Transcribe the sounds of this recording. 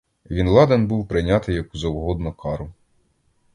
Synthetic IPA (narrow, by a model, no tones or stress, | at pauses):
ʋʲinlˠɑd̪enbuwpɾɪnʲɑt̪ɪjɐkuzɐwɦɔd̪nɔkʰɑɾʊ